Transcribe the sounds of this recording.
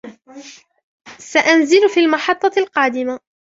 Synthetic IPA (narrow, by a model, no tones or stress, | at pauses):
saʔanzɪlfiːlmɑħɑt̪ˤːɑlqɑːd̪ɪma